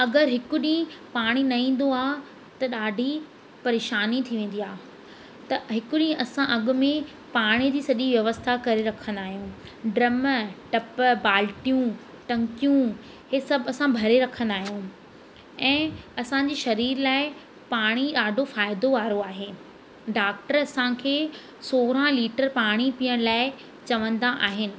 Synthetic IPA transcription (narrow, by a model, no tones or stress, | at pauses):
ɐɡəɾɦɪkʊɗĩɦɪ̃paːɽ̃inɐĩːn̆d̪oaːɦ | t̪ɐɗaːɖʱi | pɐɾeːʃaːnit̪ʰiʋẽːn̆d̪ijaː | t̪ɐɦɪkʊɗĩɦʔɐsãʔɐɠʊ̆mẽ | paːɽ̃id͡ʑiːsɐʄiʋjɐʋəst̪ʰakɐɾeɾɐkʰə̃nd̪aːɦijũ | ɖɾɐməʈɐpbaːlʈijũ | ʈɐ̃ŋkijũ | hesɐbʱɪɐsãbʱɐɾeɾɐkʰə̃nd̪aːɦijũ | ɛ̃ːɐsãɲd͡ʑiːʃɐɾiːɾlaːɪ | paːɽ̃iɗaːɖʱofaːɪd̪oʋaːɾoaːɦeː | ɖaːk̚ʈəɾɐsãkʰeː | soːɾãliːʈəɾpaːɽ̃ipiːəɽ̃laːɪ | t͡ɕɐʋə̃nd̪aʔaːɦɪnɪ̆